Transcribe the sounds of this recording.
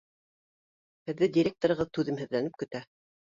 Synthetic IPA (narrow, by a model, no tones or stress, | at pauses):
hɘ̆ðːɘdʲɪɾʲek̚t̪oɾɤ̆ʁɤðt̪ʉðɘmhɘ̆ðlænɘp̚kɵ̆t̪æ